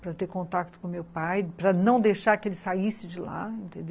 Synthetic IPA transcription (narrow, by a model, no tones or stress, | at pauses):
pɾɐt̪eɾkõnt̪ak̚t̪ʊ̥kõmewpajpɾɐnɐ̃w̃d̪eʃaɾkɪelɪsaisɪd͡ʒɪla̰ẽnt̪ẽnd̪ew